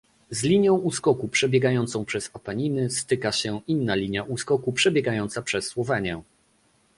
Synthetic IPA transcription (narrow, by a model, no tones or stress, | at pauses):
zlʲiɲjɔ̃w̃uskɔkupʂɛbʲjɛɡajɔnt̪sɔ̃w̃pʂɛzapaɲinɘst̪ɘkaɕɛinːalʲiɲjaʔuskɔkupʂɛbʲjɛɡajɔnt̪sapʂɛsːwɔvɛɲɛ